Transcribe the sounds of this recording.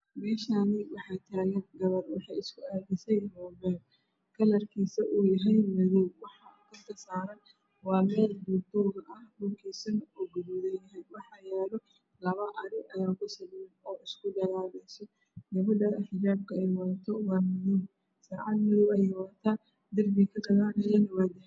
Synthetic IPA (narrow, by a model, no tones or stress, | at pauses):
mɛːʃaːnɪwɑħɑjt̪ʰaːɣɐnɡɐβɐrwɑħɑjɪskʰʊaːðɪsɛjmɔːbɛːl | kʰɐlɐrkʰiːsɐʔuːjɐɦɛjmɐðɔwwɑħɑʊk̪ʰɐnt̪ʰɐsaːɾɐn | wɑːmɛːlb̪ut̪ɔːɣɐʔɐhbʊŋkʰiːsɐnuɡɐβʊðɐjɐɦɛjwɑħɑːjɛːlɔ | lɐβɐʔɐɾɪʔɐjaːŋkʰʊsɐlmɛnɔːɪskʰʊdɐɣaːlɛsɛ | ɡɐβɐdɐɐħd͡ʒaːb̚kʰɐɛjwɐðɐt̪ʰɔwɑːmʊnum | saːʕɑd̪mɪðɔwɐjɛjwɐt̪ʰaː | d̪ɪrmɪkʰɐɡɐɣaːnɐjɛnwad̪ɪ